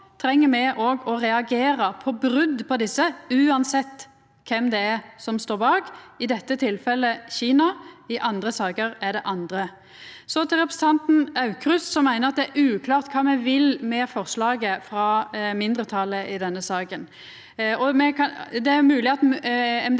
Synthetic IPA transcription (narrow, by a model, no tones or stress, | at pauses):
t̪ʰɾɛŋːəmɛʔoːɡɔɾɛɑɡeːɾəpʰɔbɾʉd̪pʰɔd̪ɪsːəʉːɑnsɛt̪ː | kʰɛmd̪ɛæɾsɔmst̪oːbɑːɡɪd̪ɛt̪ːət̪ʰɪlfɛlːəçiːnɑɪʔɑnd̪ɾəsɑːkəɾæɖ̪ɛʔɑnd̪ɾə | sɔt̪ʰɪlɾɛpɾəsn̩t̪ɑnt̪n̩ɑʉkʰɾʉssɔmːæɪnəɾɑt̪̚d̪ɛæɾʉːkʰlɑːʁt̪kʰɑːmɛʋɪlmɛfɔʁslɑːɡəfɾɑmɪnd̪ɾət̪ʰɑlːəʔɪd̪ɛnːəsɑːkən | ɔmɛkɑd̪ɛæmʉːlɪɑt̪ɛm